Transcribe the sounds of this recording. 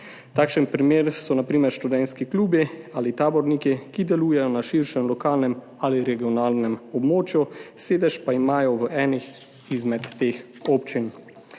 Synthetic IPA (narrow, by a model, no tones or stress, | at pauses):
t̪aːkʃənpɾimeːɾsɔnapɾiːmɛɾʃt̪ud̪ɛnskikluːbiaːlit̪aːbɔɾnikikid̪ɛluːjɛjɔnaʃiɾʃɛmlɔkaːlnɛm | aliɾɛɡiɔnaːlnɛmɔbmoːt͡ʃjuseːd̪ɛʃpaimaːjɔʋəɛːnix | izmɛt̪ːeːx | oːpt͡ʃin